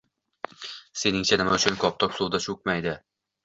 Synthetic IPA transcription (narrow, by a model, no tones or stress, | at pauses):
se̞nɪŋt͡ʃʰanɪmaʊt͡ʃʰʊnkʰɒp̚t̪ʰɒkʲsud̪aʃuk̚ʲmajd̪ɪ